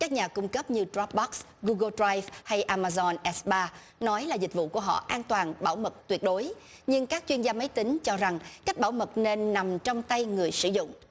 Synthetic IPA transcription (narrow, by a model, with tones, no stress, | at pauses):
kaː˦˥k̚ɲaː˨˩kʊ˧ŋ͡mkə˦˥p̚ɲɨ˧tra˦˥p̚ɓɔ˦˥k̚s | ɣu˧ɣə˧ldra˧jvha˧jʔaː˧maː˧zɔ˧nʔɛ˦˥sɓaː˧ | nɔ˨˦jlaː˨˩zï˨˩k̟̚vṵ˧˨ku˧˩əɦɔ̰˧˨ʔaː˧nt̪waː˨˩nɓa̰ː˧˩wmə˨˩t̚t̪wi˨˩ət̚ɗo˨˦j | ɲɨ˧ŋkaː˦˥k̚t͡ɕwi˧ənzaː˧mə˨˦jt̪ï˨˦ŋ̟t͡ɕɔ˧za˨˩ŋkaː˦˥k̟̚ɓaː˧˩wmə˨˩t̚ne˧nːa˨˩mt͡ɕɔ˧wŋ͡mt̪a˧jŋɨ˨˩əjsɨ̰˧˩zʊ̰˧˨ŋ͡m